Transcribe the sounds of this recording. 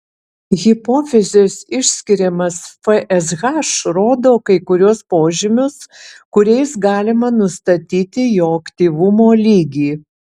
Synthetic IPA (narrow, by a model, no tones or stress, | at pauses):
ɣʲɪpoːfʲɛzʲesɪʃʲsʲkʲɪɾʲɛmɐsfɛʔɛzɣɑʃɾoːd̪oːkɐɪkʊɾʲuɔspoːʒʲɪmʲʊskʊɾʲɛɪsɡɑːlʲɪmɐnʊst̪ɐt̪ʲiːt̪ʲɪjoːɐkt̪ʲiːʋʊmoːlʲiːɡʲiː